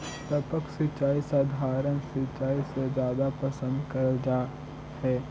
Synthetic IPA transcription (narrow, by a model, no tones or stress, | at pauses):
t̪ɐpəksɪt͡ʃaːisaːd̪ʱaːɾənsɪt͡ʃːaːised͡ʒjaːd̪apɐsə̃nd̪kɐɾd͡ʒaː | hɛː